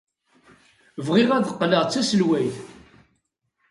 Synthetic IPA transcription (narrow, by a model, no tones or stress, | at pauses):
vʁɪʁæðəqːləʁt͡sːæsəlwæjθ